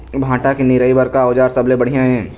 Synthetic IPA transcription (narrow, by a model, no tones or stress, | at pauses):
bʱãːʈakenɪɾəibəɾkaoːd͡ʒaːɾsɐblebɐɽ̤ijãɦɛ̃ː